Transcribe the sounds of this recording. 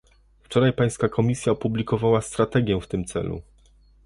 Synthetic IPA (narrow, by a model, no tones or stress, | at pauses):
ft͡ʂɔɾajpaj̃skakʰɔmʲisʲjaɔpublʲikɔvawast̪ɾat̪ɛɡʲjɛ̃ft̪ɘmt̪sɛ̰lṵ